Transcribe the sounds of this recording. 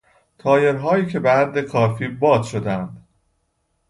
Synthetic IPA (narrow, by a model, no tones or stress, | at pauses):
t̪ʰɒːje̞ɾɦɒːjiːcʰe̞behæd̪ːekʰɒːfiːbɒːd̪ʃo̞d̪ænd̪̥